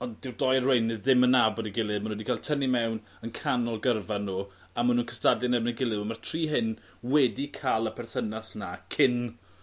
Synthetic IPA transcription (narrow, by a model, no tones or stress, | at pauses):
ɔnɪrdɔjrwejnɨðɪmənabɔdiɡɪlˠɨmanwɛdikʰaːlˠtʰənimɛwn | ənkʰanɔlˠɡərvanːuː | amanuːnkʰə̥stadɛnɛmnəɡɪlˠɨəmartʰr̥iːɦɪn | wɛdikʰalˠəpʰɛrθənasnakʰɪn